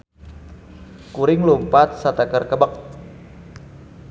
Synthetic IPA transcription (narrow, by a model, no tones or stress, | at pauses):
kuɾɪŋlumpat̪̚sat̪akərkəbək̚